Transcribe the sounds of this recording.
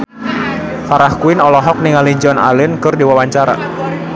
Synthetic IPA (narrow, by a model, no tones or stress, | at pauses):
faɾahkuɪnɔlɔɦɔk̚niŋalid͡ʒɔna̰lɪnkɨrdiwawaɲt͡ʃaɾa̰